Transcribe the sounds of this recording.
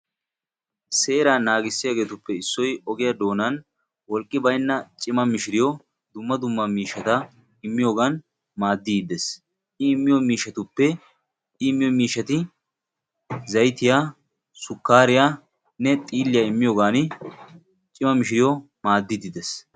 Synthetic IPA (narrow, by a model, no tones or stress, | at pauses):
se̞ːɾanaːɡɪsːɪjaɡe̞ːt̪ʊpːɛɪsːɔjɔɡɪjad̪o̞ːnɐn | wɔlkʼːɪbɐjnːɐt͡ʃʼɪmɐmɪʃɪɾɪjɔ | d̪ʊmːɐd̪ʊmːɐmiːʃɐt̪ɐ | ɪmːɪjo̞ːɡan | maːd̪ːiːd̪ɛs | ʔɪɪmːɪjɔmiːʃːɐt̪ʊpːɛ | ɪmːɪjɔmiːʃːɐt̪ɪ | zɐjt̪ɪjaː | sʊkːaːɾɪja | nɛt̪ʼiːlːɪjaɪmːɪjoːɡaːnɪ | t͡ʃʼɪmɐmɪʃ̬ɪɾɪjɔ | maːd̪ːɪd̪ɪd̪ɛs